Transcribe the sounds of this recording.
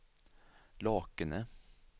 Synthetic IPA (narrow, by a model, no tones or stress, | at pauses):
lɑːkənə